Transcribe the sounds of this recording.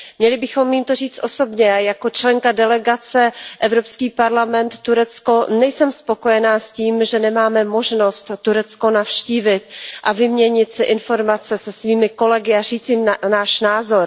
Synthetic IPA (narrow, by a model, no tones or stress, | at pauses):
mɲɛlɪbɪxo̞mjimt̪or̝iːt͡st̪ʔo̞so̞bɲɛajako̞t͡ʃlɛŋkadɛlɛɡat͡sɛʔɛvɾopskiːpaɾlamɛnt̪ːuɾɛt͡sko̞nɛjsɛmspokojɛnaːsciːmʒɛnɛmaːmɛmoʒno̞st̪t̪ːuɾɛt͡sko̞nafʃciːvɪt̪ʔavɪmɲɛɲɪt̪sɪʔɪnfo̞ɾmat͡sɛsɛsviːmɪko̞lɛɡɪar̝iːt͡simnaːʃnaːzo̞ɾ